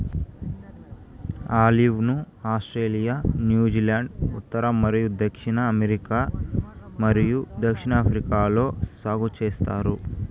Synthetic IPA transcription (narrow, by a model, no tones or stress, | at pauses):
aːliʋnu | aːsʈɾeːlijanjuːd͡ʒiːlaːɳɖṵt̪ːɐɾɐmɐɾijud̪ɐkʂiɳɐːmeɾikaː | mɐɾijud̪ɐkʂiɳɐːpʰɾikaːlo̞ːsaːɡut͡ʃeːst̪aːɾu